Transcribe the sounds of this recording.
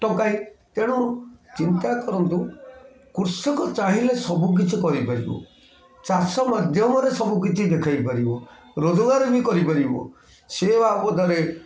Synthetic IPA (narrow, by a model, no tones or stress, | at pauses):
ʈɔkaĩt̪eɽ̃ut͡ʃint̪akɔɾɔnt̪u | kuɾsɔkɔt͡ʃaɦilesɔbuk̬it͡ʃʰikɔɾipaɾḭbɔ̰ | t͡ʃasɔmad̪ʱjɔmɔɾesɔbuk̬it͡ʃʰid̪ekʰajpaɾibɔ | ɾod͡ʒɔɡaɾenikɔɾipaɾibɔ̰ | sebapɔd̪aɾe